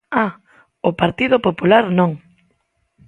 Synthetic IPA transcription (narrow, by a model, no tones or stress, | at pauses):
a | ʊpaɾt̪iðʊpopulaɾnõŋ